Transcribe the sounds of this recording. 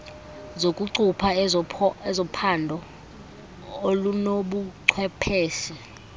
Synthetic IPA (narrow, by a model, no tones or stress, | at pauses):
zokʼuǀupʰa | ɛzɔpʰandʱɔ | olunoɓuǀʰwɛpʰɛːsi